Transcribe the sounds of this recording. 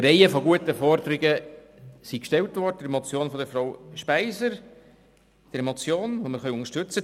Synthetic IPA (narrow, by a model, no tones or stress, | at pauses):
ɾɛɪəfɔɡuətəfɔɾd̪əɾɪɡə | sikʃtɛltʋɔrdəd̪əɾemɔt͡sjoːnfɔdəɾfɾawʃpæɪzəɾ | d̥əɾemot͡sjoːnvoməɾχœʊŋəʃtɵt͡sə